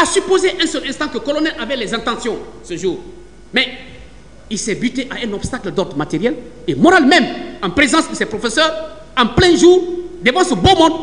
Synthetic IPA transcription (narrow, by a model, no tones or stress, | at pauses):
asypozeʔɛ̃səlɛ̃st̪ɑ̃kəkɔlɔnɛlʔavɛlɛzɛ̃t̪ãsjɔ̃səʒuːʁ | mɛ | ilsɛbyt̪eʔaɛ̃nɔbst̪akld̪ɔt̪mat̪eʁjɛlemɔɾalmɛ̃mãpɾezɑ̃sd̪əsɛpɾofesœːʁ | ãplɛ̃ʒuːʁd̪ebãsəbomɔ̃d̪